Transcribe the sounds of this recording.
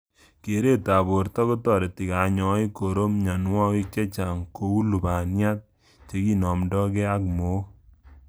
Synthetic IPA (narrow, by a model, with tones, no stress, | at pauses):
ke˨ɾe˦ta˨bo˨ɾtɔ˦ko˦tɔ˨ɾe˨ti˨ka˨˦ɲɔ˨˦i˦ko˨ɾo˦mɲa˨nwɔ˦wi˦k̚t͡ʃe˦t͡ʃa˨ŋko˨u˦lu˨ba˨nja˦t̚ | t͡ʃe˨ki˦nɔ˨mdɔ˦kɛ˦a˦kmo˨˦